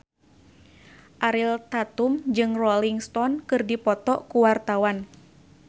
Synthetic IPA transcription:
ʔaɾilt̪at̪umd͡ʒɨŋrɔliŋst̪ɔnkɨrdipɔt̪ɔʔkuwart̪awan

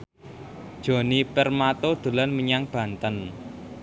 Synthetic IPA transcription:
d̥ʒ̥ɔ̤nipɛrmat̪od̪̥ṳlanməɲaŋb̥ä̤nt̪ən

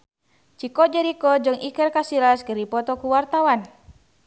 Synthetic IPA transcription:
t͡ʃikɔd͡ʒɛɾikɔd͡ʒɨŋikərkasilasɡəɾipɔt̪ɔkuwart̪awan

